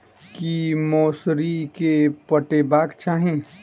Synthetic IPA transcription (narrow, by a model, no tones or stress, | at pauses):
kimoːsɾikepəʈebaːkt͡ʃaːɦĩ